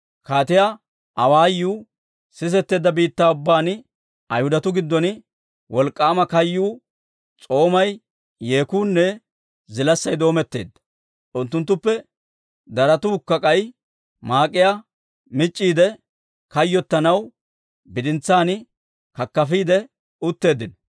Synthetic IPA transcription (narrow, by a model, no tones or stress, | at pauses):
kaːt̪ɪja | ʔɐwaːjːuː | sɪs̬ɛt̪ːe̞ːd̪ːɐbiːt̪ːaːʊbːaːn | ɐjhʊd̪ɐt̪ʊɡɪd̪ːɔn | wʔɔlkʼːaːmɐkɐjːuː | t͡sʼo̞ːmɐj | jeːkuːnːɛ | zɪlɐsːɐjd̪o̞ːmɛt̪ːe̞̰ːd̪ːɐ̥ | ʔʊnt̪ːʊnt̪̬ːʊpːɛ | d̪ɐɾɐt̪uːkːɐkʼɐj | maːkʼːɪja | mɪt͡ʃʼːiːd̪ɛ | kɐjːɔt̪ːɐnɐw | bɪd̪ɪnt͡sːaːnɪ | kɐkːɐfiːd̪ɛ | ʊt̪ːe̞ːd̪ːɪnɔ